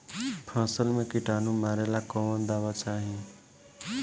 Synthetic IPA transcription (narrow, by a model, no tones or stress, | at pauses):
pʰãːsəlmẽkiʈaːnũmaːɾelakɔʋənd̪aʋat͡ʃʰaːɦĩ